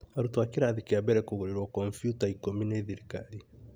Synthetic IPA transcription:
aɾutwakiɾaðikeabɛɾɛkuɣoɾeɾwɔkɔɱfjutaikomineðiɾikaɾi

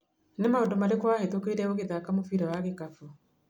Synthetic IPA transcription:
nemaodɔmaɾekwahetokeɾiɾɛoɣeðakamofiːɾawaɣekafu

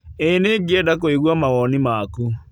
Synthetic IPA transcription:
eneɡiɛdakoiɣwamaɣɔnimaku

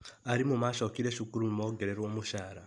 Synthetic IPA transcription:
aɾimumaʃokiɾeʃukuɾumumoɡeɾeɾwomuʃaːɾa

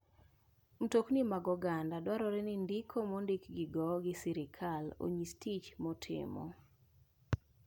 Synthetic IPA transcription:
m̩toknɪmaɡɔɡandadwaɾɔɾɛnɪndikʰomondikɡɪɡɔɡɪsiɾɪkʰalo̰ɲistʰit͡ʃmɔtʰɪ̰mɔ̰

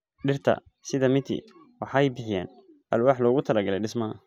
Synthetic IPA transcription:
ɖɪrt̪ʰɐ̰ | sɪðɐmɪt̪ʰḭ | wɑħɑɛjbɪħɪja̰ːn | ʔɐlwɑːħlɔːɣʊt̪ʰɐlɐɡɐlɛjɖɪsmɐɐ̰

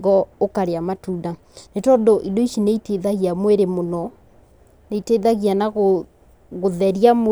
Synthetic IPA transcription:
ɡɔokaɾeamatuːda | netɔndoʔidoiʃineiteðaɣiamweɾemonɔ | neiteðaɣianaɣo | ɣoðɛɾiam

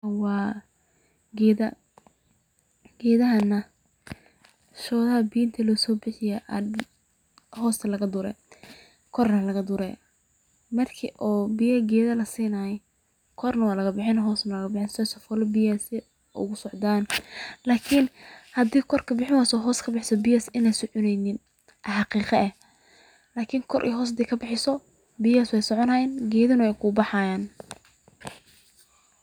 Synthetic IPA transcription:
wɑː | ɡɛːðɐ | ɡɛːðɐɦɐnɐ | ʃɔːðɐɦɐbiːnt̪ʰɐlɔːsɔːbɪħɪjɛʔɐ | ɦɔːst̪ʰɐlɐɣɐd̪ʊɾɛ̰ | kʰɔrnɐlɐɣɐd̪ʊɾɛ̰ | mɐrkʰɪ̰ʔɔːbɪjɐɡɛːðɐlɐsiːnajɛ | kʰɔrnɐwaːlɐɣɐbɪħɪnɐɦɔːsnɐlɐɣɐbɪħɪnsɛsɔfɔlɔbijɛsɛ | ʔʊ̰ɣʊsɔʕd̪aːnlaːkʰɪnhɐd̪iːkʰɔrkʰɐbɪħɪwɛːsɔɦɔːskʰɐbɪħɪsɔbɪjɛsɪnɛjsʊʕʊnɛjnɪn | ʔɐħɑqiːqɐɛh | laːkʰiŋkʰɔɾʔḭːɦɔːs̬d̪iːkʰɐbɪħɪsɔ | bijɛswɛjsɔʕɔnɐjɛnɡɛːðɐnʊwɛjkʰʊbɑħajaːn

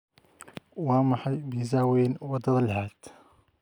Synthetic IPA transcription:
wɑːmɑħɑjbiːzaːwɛːnwɐd̪ɐðɐlħaːd̪

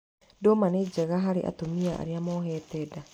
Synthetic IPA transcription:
doːmaned͡ʒaɣaɦaɾḛʔa̰tomiaa̰ɾjamoːɦeteda

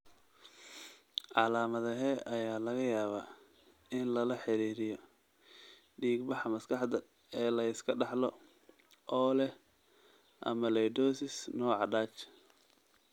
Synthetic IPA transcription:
ʕɑlaːmɐðɐɦɛːʔɐjaːlɐɣɐjaːβa̰ː | ɪnlɐlɐħɪɾiːɾɪjɔ | ɖiːɡbɑħɑmɐskʰɑħd̪ɐ | ɛːlɐɪskʰɐɖɑħlɔ | ʔɔːlɛ | ʔɐ̰mɐlɛjd̪ɔːsɪsnɔːʕɑɖaːt͡ʃ

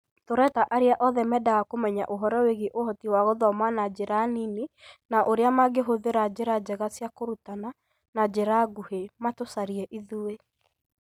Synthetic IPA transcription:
toɾɛtaʔaɾeaʔɔðɛmɛdaɣakomɛɲa̰ʔoɦɔɾɔweɣeʔohɔtiwaɣoðɔmanad͡ʑeɾaninenaʔoɾeamaɡeɦoðeɾad͡ʑeɾad͡ʑɛɣasjakoɾutana | nad͡ʑeɾaɡuhematosaɾiɛʔiðuwe

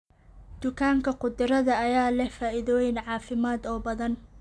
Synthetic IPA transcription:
d̪̥ʊkʰaːŋkʰɐqʊd̪ɪɾɐðɐɐjaːlɛhfaːɪðɔːjɪnʕɑːfɪmaːd̪ɔːbɐðɐn

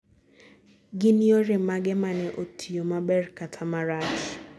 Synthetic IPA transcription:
ɡɪnioɾɛmaɡɛmanɛʔotʰiomabɛrkatʰamaɾat͡ʃ

